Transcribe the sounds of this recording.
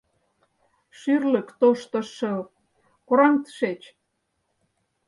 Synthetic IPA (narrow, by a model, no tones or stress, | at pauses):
ʃyrlə̆kt̪oʃt̪ɤ̆ʃɤ̆l | koɾɑŋt̪ə̥ʃet͡ɕ